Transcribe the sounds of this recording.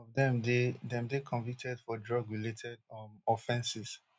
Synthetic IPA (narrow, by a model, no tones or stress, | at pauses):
ɔvdɛ̃mdedɛ̃mdekʰɔ̃ɱvik̚tʰɛdfɔdɹɔɡɹiletʰɛdɔfɛ̃nsis